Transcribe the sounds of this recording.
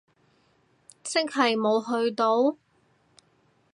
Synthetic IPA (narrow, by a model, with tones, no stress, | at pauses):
sɪ˥k̚hɐ˨˩jmo˨˧wɦɵ˧ɥt̪o˨˥w